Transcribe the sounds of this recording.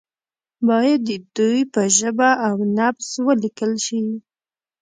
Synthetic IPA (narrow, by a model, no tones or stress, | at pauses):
bɑjad̪ːəd̪ujpəʒəbaʔːwnapswəlikəlʃi